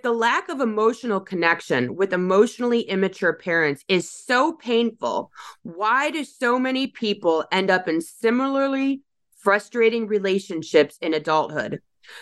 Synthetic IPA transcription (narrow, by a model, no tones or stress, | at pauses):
ðəlækʌvəmoʊʃn̩l̩ˠkʰɨnɛkʃɨ̃nwɨðɨmoʊʃn̩l̩ˠiʔɪ̃mɨt͡ʃə˞pʰɛɹɨ̃ntsɪz̥soʊpʰẽɪ̃nfl̩ˠwaɪɾɨd̥soʊmɛɾ̃ipʰipl̩ˠɛ̃ndʌpɨ̃nsɪ̃ml̩ˠə˞li | fɹʌstɹ̥eɪɾɪ̃ŋɹileɪʃɨ̃nʃɪpsɨ̃nɨdʌlˠt̚hʊ̰d̥